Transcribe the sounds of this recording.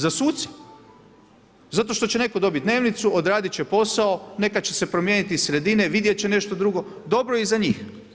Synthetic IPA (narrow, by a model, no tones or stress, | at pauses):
zasuːt̪si̥ | zat̪o̞ʃt̪o̞t͡ɕene̞ko̞d̪o̞bit̪̚d̪ne̞ːʋnit̪suod̪ɾaːd̪it͡ɕepo̞sao̞ne̞kat͡ɕe̞se̞pɾo̞mjenit̪isɾe̞d̪ineʋid̪jet͡ɕene̞ʃt̪o̞d̪ɾuɡo̞ | d̪o̞bɾojizaɲiːx